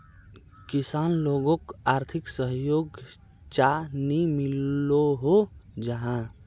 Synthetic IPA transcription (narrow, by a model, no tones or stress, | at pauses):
kisaːnloɡõkaːɾt̪ʰiksəɦjoːɡ | t͡ʃanimilːoɦod͡ʒəɦã